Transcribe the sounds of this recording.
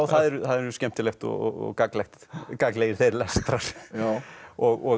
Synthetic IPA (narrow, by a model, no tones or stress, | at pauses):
wθθaðɛɾʏθaðɛɾʏscɛm̥t̪ɪlext̪ɔ̰ɔ̰ɔ̰kaklɛxt̪kakleːjɪɾ̥θejɾlɛst̪ɾaɾ̥ | ɔɣɔ